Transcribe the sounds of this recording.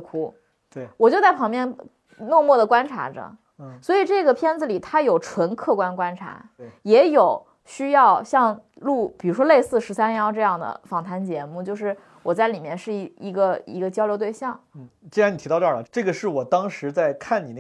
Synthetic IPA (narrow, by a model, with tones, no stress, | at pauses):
kʰu˥ | t̪e˥˩wɔ˨˩t͡ɕjo˥˧ʊt͡sa˥˩ɪpʰɑ˧˥ŋmjɛ˥˧n | no˥˧ŋmwɔ˥˩d̪ə˩kwa˥nʈ͡ʂʰa̰˧˥ʈ͡ʂə̰˧˩˥ | swɔ˧˥i˨˩ʈ͡ʂɤ˥˩ɡə˩pʰjɛ˥nd͡zɹ̩˩li˨˩t̪ʰa˥jo˨˩ʊʈ͡ʂʰwə˧˥nkʰɤ˥˩kwa˥nkwa˥nʈ͡ʂʰa̰˧˥jɛ˧˥jo˨˩ʊ | ɕy˥jɑ˥˧ʊɕjɑ˥˧ŋ | lu˥˩pi˨˩ɻu˧˥ʂwɔ˥le˥˧ɪsɹ̩˥˩ʂɻ̩˧˥sa˥njɑ˥˧ʊʈ͡ʂɤ˥˧jɑ˥˩ŋd̪ə̰˩fɑ˨˩ŋt̪ʰa˧˥nt͡ɕjɛ˧˥mu˥˩t͡ɕjo˥˧ʊʂɻ̩˥˩ | wɔ˨˩t͡sa˥˩ɪli˨˩mjɛ˥˧nʂɻ̩˥˩i˧˥i˧˥ɡə˧ḭ˧˥ɡə˧t͡ɕjʊljo˧˥ʊt̪we˥˧ɪɕjɑ˥˩ŋ̩˥˩t͡ɕi˥ni˨˩i˧˥tɑ˥˧ʊʈ͡ʂʈ͡ʂɤ˥˩ɡə˩ʂɻ̩˥˩wɔ˨˩t̪ɑ˥ŋʂɻ̩˧˥t͡sa˥˧ɪkʰa˥˩ni˨˩n˥˩